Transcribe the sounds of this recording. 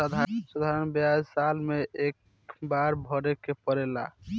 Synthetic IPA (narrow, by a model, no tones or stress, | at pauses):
əd̪ʱasəd̪ʱaɾənbjad͡ʒsalmeʔek | baɾbʱɔɾekepəɾela̰